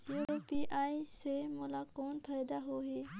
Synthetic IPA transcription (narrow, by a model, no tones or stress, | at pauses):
juːɾoːpiʔaːisemolakoːnpʰaːɪd̪aɦoːɦeː